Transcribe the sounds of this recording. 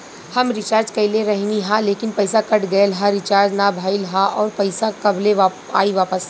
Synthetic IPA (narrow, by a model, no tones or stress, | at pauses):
hɐmɾɪt͡ʃaːɾd͡ʒkɐileɾɐɦniɦãleːkɪnpɐɪsakɐʈɡɐelɦãɾɪt͡ʃaːɾd͡ʒnabʱaːɪlɦãʔɔːɾpɐɪsakɐbleʋa | a̰ːiʋaːpəs